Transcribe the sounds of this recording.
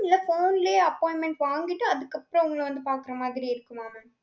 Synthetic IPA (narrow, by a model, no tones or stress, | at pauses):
ɪlːɐfoːnleːɐpːoːjɪnmɛɳʈʋaːŋɡɪʈːɯɐðɯkːɐpːɯɾõʊŋɡɐɭʋɐnd̪ɯpaːɾkɯɾɐmaːðɪɾiɪɾɯkːɯmaːmɐ